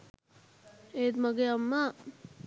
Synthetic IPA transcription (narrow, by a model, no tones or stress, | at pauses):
eːd̪məɡeɐmːa